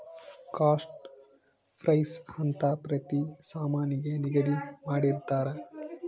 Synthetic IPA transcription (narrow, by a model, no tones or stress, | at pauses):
kaːsʈ | pʰɾɐjshɐnt̪apɾɐt̪isaːmaːniɡeniɡɐɾimaːɽiɾt̪aːɾe